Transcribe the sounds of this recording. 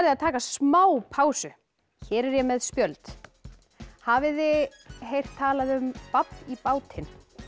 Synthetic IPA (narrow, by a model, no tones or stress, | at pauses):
ɾðɪaðt̪ʰaːkasmaːwpʰaːwsʏ | çɛːɾɛɾjɛmɛðspjœlt̪ | havɪðɪ | ɦejr̥t̪ʰːaːlaðʏmpapnipaːwt̪ʰɪn